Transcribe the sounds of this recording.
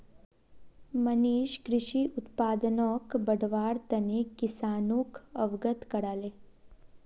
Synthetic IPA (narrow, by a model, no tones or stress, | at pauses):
məniːʃkɾɪʃiʔut̪paːd̪ənoːkbəɽʋaːɽt̪ɐnikisaːnuːkəʋɡət̪kɐɽaːleː